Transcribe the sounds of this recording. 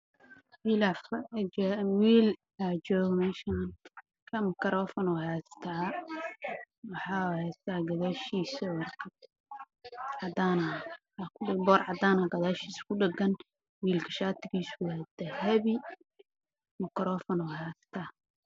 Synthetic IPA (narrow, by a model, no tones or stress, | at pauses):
wiːlaf | wiːl | ad͡ʒɔːɣmɛːʃan | kʰɐmɪkʰɾʔɔːfɔnɔhɛːst̪ʰaː | wɑħɑːhɛst̪ʰaːɡɐðaʃiːsɔrkʰɐ | ʕɑd̪aːnɐ | akʰʊɪbɔːrʕɑd̪aːnɐɡɐðaːʃiːskʰʊɖɛɡɐn | wiːlkʰɐʃaːt̪ʰɪɡiːswad̪ɐhɛβi | mɪkʰɾɔːfɔnɔhɛːst̪ʰa